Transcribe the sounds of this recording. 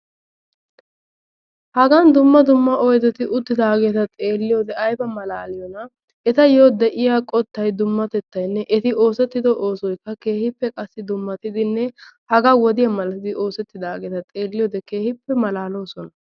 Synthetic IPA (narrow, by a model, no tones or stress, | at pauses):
hɐɡɐnd̪ʊmːɐd̪ʊmːɐʔɔjd̪ɛt̪ɪʔʊd̪ːɪd̪aːɡeːt̪ɐt̪ʼeːlːɪjo̞ːd̪ɛɐjbɐmɐlaːlɪjɔnɐ | ɛt̪ɐjo̞ːd̪ɛʔɪjaːkʼɔt̪ːɐjd̪ʊmːɐt̪ɛt̪ːɐjnːɛʔɛt̪ɪo̞ːsɛt̪ːɪd̪ɔʔo̞ːsɔjkːɐke̞ːhɪpːɛkʼɐsːɪd̪ʊmːɐt̪ɪd̪ɪnːɛhɐɡɐwɔd̪ɪjɐmɐlɐt̪ɪd̪ɪʔo̞ːsɛt̪ːɪd̪aːɡeːt̪ɐt̪ʼe̞ːlːɪjo̞ːd̪ɛke̞ːhɪpːɛmɐlaːlo̞ːsɔnɐ